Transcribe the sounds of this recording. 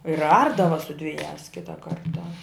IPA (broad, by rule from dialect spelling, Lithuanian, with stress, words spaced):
ɪr ˈɐrdɐʋɐ sʊ dʲʋʲɪˈjæːs ˈkʲɪtɑː ˈkɐrtɑː